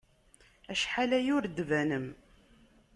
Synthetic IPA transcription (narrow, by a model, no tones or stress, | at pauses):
æʃħalæjʊɾd̪ːvænəm